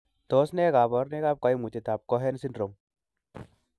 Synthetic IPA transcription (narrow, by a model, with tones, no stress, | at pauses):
t̪ɔ˦sne˦ka˨bɔ˨˦ɾne˦ka˦p̚kɔ˨jmu˨t͡ʃe˨˧t̪a˨p̚kɔ˦ɦe˦nsi˦ndɾo˨m